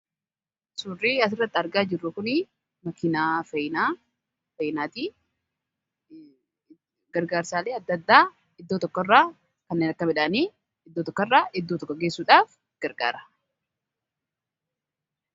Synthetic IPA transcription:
suːriːɐs̬ɪrːɐt̪ːɪɐɾɡaːd͡ʒɪrːʊkʊnɪ | mɐkɪnaːfɐjna | fɐjɪnaːt̪iː | ɡɐɾɡaːɾsaːleːɐd̪ːɐd̪ːaː | ɪd̪ːo̞ːt̪ɔkːɔrːaː | kɐnːeːnɐkːɐmɪᶑaːniː | ɪd̪ːoːt̪ɔkːrːaːʔɪd̪ːot̪ɔkːɔɡeːsːuːᶑaːf | ɡ̥ɐɾɡa̰ːɾɐ̥

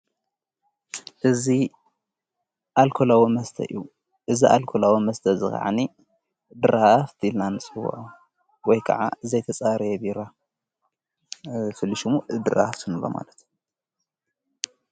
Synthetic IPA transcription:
ʔɨzi | ʔalkʰolawimɐst̪ʰɐ̰ju | ʔɨziʔa̰lkʰolawimɐst̪ʰɐzɨ̰xʼa̰ʕa̰ni | d̪ɨɾaft̪ʰilnanɨt͡sʼɨwṵʔu | wɔjkʰɐ̰ʕa̰ɨzɐjt̪ʰɐt͡sʼaɾjɛbiɾa | fɨlːiʃumuɨd̪ɨɾa̰ft̪ʰɨnɨlːo̰ma̰lɐt̪

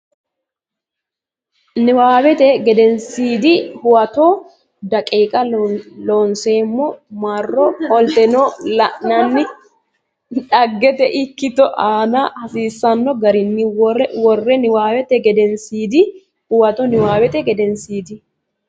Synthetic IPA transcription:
nɪwaːwɛt̪ɛɡɛd̪ɛnsiːd̪ɪhʊwɐt̪ɔ | d̪ɐkʼeːkʼɐloːnse̞ːmːɔmarːɔɔlt̪ɛnɔlɐʔnɐnːɪ | ᶑɐɡːɛt̪ɛʔɪkːɪt̪ɔʔaːnɐhɐsiːsːɐnːɔɡɐɾɪnːɪwɔrɛwɔrːɛnɪwaːwɛt̪ɛɡɛd̪ɛnsiːd̪ɪ | hʊwɐt̪ɔnɪwaːwɛt̪ɛɡɛd̪ɛnsiːd̪ɪ

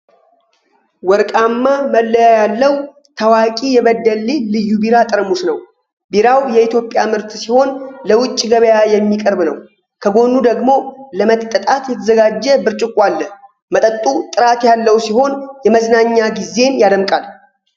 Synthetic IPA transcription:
wɔɾkʼamːaməlːəjajalːəw | t̪ʰəwakʼijɛβəd̪ːəlːelɨjːubiɾat̪ʼɨɾmusnəw | biɾawjɛit̪jo̞pʼːjamɨɾt̪siho̞nləwʊt͡ʃʼːɡəβəjajɛmːikʼəɾbnəw | kʰəɡo̞nːud̪əɡmo̞ləmət̪ʼːət̪ʼat̪jɛt̪ʰəzəɡad͡ʒːəbɨɾt͡ʃʼɪkʼʷːalːə | mət̪ʼət̪ʼːut̪ʼɨɾat̪jalːəwsiho̞njɛməznaɲːaɡize̞njad̪əmkʼal

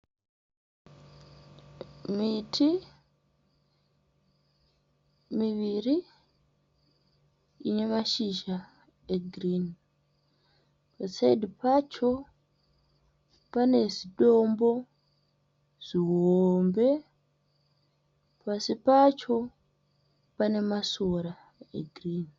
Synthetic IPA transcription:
mitʰi | miʋiri | ine̞maʃiʒa | eɡʱrin | pasaidʱipat͡ʃo̞ | pane̞ziɗo̞mbo̞ | ʐ̥iɦombe̞ | pasipat͡ʃo̞ | pane̞masoɾa | ḛɡʱrin

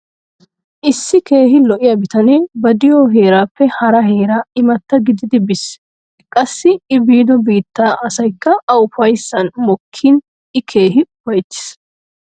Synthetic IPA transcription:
ʔɪsːɪke̞ːɦɪlɔʔɪjɐbɪt̪ɐneːbɐd̪ɪjɔːɦe̞ːɾaːpːɛhɐɾɐheːɾaːɪmɐt̪ːɐɡɪd̪ɪd̪ɪbɪs | kʼɐsːɪɪbiːd̪ɔbiːt̪ːaːʔɐsɐjkːɐɐʊfɐjsːɐnmɔkʰːin | ɪkʰe̞ːɦɪʊfɐjt̪ːɪ̥s

